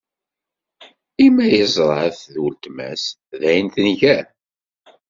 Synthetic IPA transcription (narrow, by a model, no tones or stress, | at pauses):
imːæjəzˤɾˤɑθðult̪mæ̰s | ðæjnθənʝæ